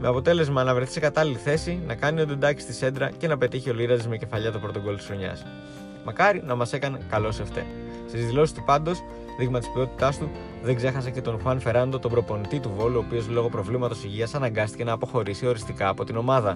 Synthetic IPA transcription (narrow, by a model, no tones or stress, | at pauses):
me̞ɐpo̞t̪e̞le̞zmɐnɐvɾe̞θi̥sekɐt̪ɐliliθe̞sinɐkɐniod̪end̪ɐki̥st̪ise̞nd̪ɾɐce̞nɐpe̞t̪içio̞liɾɐzizme̞ce̞fɐʎɐt̪opɾo̞t̪o̞ɡo̞lot̪isɾoɲɐ̰s | mɐkɐɾinɐmɐsekɐne̞kɐlo̞seft̪e̞̰n | st̪izðilo̞si̥st̪upɐnd̪o̞s | ðiɣmɐt̪ispio̞t̪i̥t̪ɐst̪u | ðeɡze̞xɐsece̞t̪o̞nxwɐnfe̞ɾɐnd̪o̞t̪obɾo̞po̞nit̪it̪uvo̞luo̞pio̞zlo̞ɣo̞pɾo̞vlimɐt̪o̞siʝiɐsɐnɐŋɡɐst̪i̥ce̞nɐːpo̞xo̞ɾisio̞ɾist̪ikɐːpo̞t̪ino̞mɐðɐ